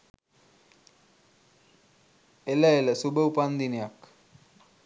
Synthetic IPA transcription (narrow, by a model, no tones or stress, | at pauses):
eləeləsubəupand̪inejak